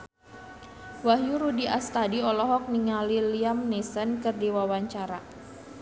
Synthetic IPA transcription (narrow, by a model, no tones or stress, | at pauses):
waɦjuɾudiʔast̪adiɔlɔɦɔk̚niŋaliliamnisənkərdiwawaɲt͡ʃaɾa